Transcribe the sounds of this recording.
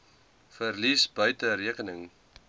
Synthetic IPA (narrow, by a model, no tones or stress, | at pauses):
fərlisbœɥtəɾiəkənəŋ